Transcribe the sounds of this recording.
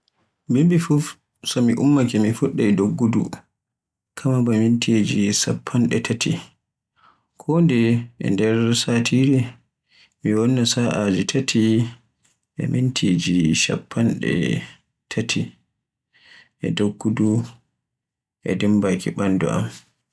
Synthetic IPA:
bimbifuf | sɔmiʔumːakɛmifuɗːɛɛdoɡːudṵ | kʰamabamintʰid͡ʒisapʰːanɗɛtʰatʰi | kʰɔndɛʔɛ̰ndɛɾsaːtʰiɾi | miwɔnːasaʔad͡ʒitʰatʰi | ʔɛ̰mintʰid͡ʒiʃa̰pʰːanɗɛ̰ | tʰatʰi | ʔɛ̰doɡːudu | ʔɛ̰dimbakḭɓandɔ̰ʔa̰m

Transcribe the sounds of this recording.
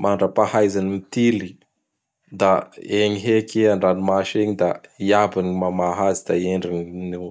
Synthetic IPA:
mʔaɳɖ͡ʐəpahajzanimit̪ili | d̪aeɲiɦekeaɳɖ͡ʐanimaʃeɲid̪aiabanimamaɦazid̪̥aieɳɖ͡ʐiɲine

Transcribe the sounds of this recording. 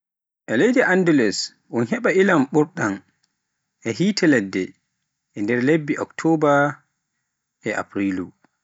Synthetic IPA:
ʔɛlejdiʔandɛlɛs | ʔunɦɛɓaʔilamɓuɾɗan | ʔɛɦiːtʰɛlɛdːɛ | ʔɛndɛɾlebːiʔɔktʰɔba | ɛʔa̰pɾilu

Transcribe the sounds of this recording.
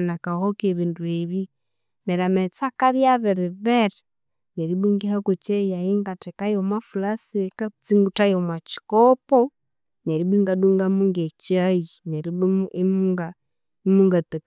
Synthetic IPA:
nakahokeβiːndueβi | meɾamet͡sakaɾjaβeɾiβeɾe | neɾibiŋɡihakot͡ʃejaiŋɡatekajomafulasiekat͡siŋɡutajomat͡ʃi̥kopo | neɾibiŋɡaduŋɡamuŋɡet͡ʃiajineɾimuŋɡa | imuŋɡate

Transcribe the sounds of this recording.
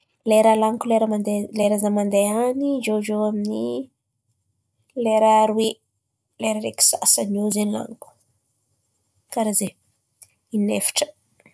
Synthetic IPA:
leɾalaŋkuleɾəmand̪eleɾazamand̪eanizozowamini | leɾaɾwe | leɾəɾeki̥sa̰sanozenla̰ŋku̥ | kaɾaze | inefi̥ʈ͡ʂə̥

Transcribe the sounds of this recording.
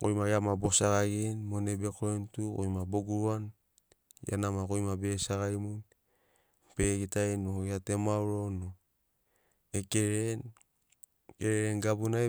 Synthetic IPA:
ko̰jmajamabo̞saɡaɡenmonebekoɾentuko̰jmaboɡuɾuan | ja̰namakojmabe̞saɡajmun | peɡitajnoeatemawɾo̞no | ekeɾen | keɾeɾenɡabunae

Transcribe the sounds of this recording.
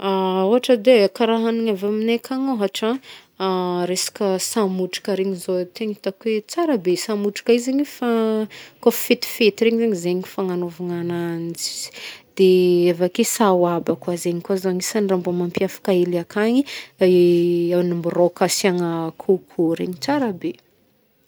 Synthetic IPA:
auɦaʈ͡ʂəd̪ekaɾaɦaniɲavaminekʰaŋaɦaʈ͡ʂa | ɾesḁkəsamuʈ͡ʂi̥kəɾeɲizot̪eɲit̪akuwet͡saɾəbesamuʈ͡ʂi̥kaizeɲifakaffet̪i̥fet̪iɾeɲizeɲizeɲifaŋanovaŋanand͡zi̥z̥d̪̥eavakesawabakwazeɲikazaɲisanrambomampiafḁkaelakaɲi | awnimburokasiaŋəkʰukʰuɾḛɲit͡saɾəbe

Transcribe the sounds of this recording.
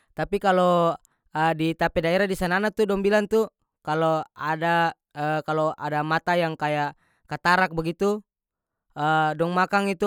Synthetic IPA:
t̪apikalɔ | ədit̪apɛdaɛɾadisananat̪udɔŋbilant̪u | kalɔada | əkaloa̰damat̪ajaŋkajaʔ | kat̪aɾak̚baɡit̪u | ədɔŋmakaŋit̪u

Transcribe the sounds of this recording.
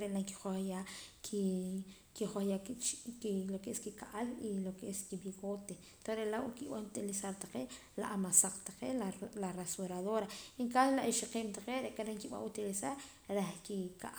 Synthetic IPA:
ɾeʔlaŋki̥χoχjaki | kiχoχjat͡ʃklokeeskikaʔalilokeʔeskibiɣot̪e | t̪osɾeʔlawakiɓanut̪ilisaɾt̪ḁqeʔ | laʔamasaq͡χt̪ḁqelarasuɾaðoɾaiŋkaslaʔiʃiqeːmt̪aqeɾeʔkaɾeŋkiɓa̰ut̪ilisaɾ | ɾehkikaʔ

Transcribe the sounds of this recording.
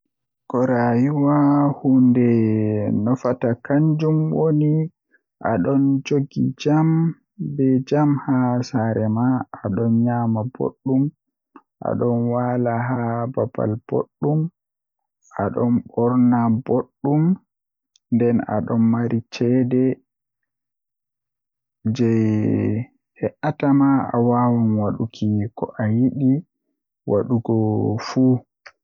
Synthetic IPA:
kɔɾajiwahundɛnɔfatakaɲd͡ʒumwoni | ʔa̰ɗɔnd͡ʒoɡḭd͡ʒam | bɛd͡ʒamhasaɾɛmaːɗɔnɲaːmabo̰ɗːum | ʔa̰ɗɔnwalaɦabab̥a̰lb̥o̰ɗːum | ʔaɗɔnbɔɾnaboɗːum | ndɛna̰ɗɔnːaɾit͡ʃɛdɛ | d͡ʒɛj | ɛʔatamaa̰wawanwaɗukʰikɔ̰ʔajiɗi | waɗuɡɔfuː

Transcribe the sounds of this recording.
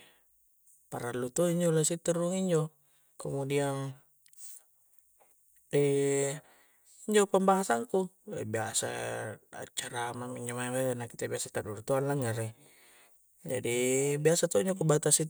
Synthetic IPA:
paɾalːut̪oiɲd͡ʒolasit̪uɾuŋiɲd͡ʒɔ | komodian | ɛ | iɲd͡ʒopambaɦasaŋku | ɛ̰biasa̰a̰t͡ʃaɾamamiɲd͡ʒomaamaanakit̪abiasat̪adurt̪oanlaŋaɾe | d͡ʒa̰dibiasat̪ɔiɲd͡ʒokubat̪asi

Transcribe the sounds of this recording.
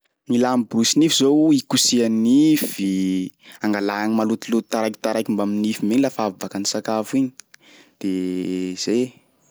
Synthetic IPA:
nilamibɾusinifizowikusianivi | aŋɡalaanimalut̪ilut̪t̪aɾajki̥t̪aɾajkimbaminifimeɲilafavakanisakafuiɲi̥ | d̪̥ez̥e

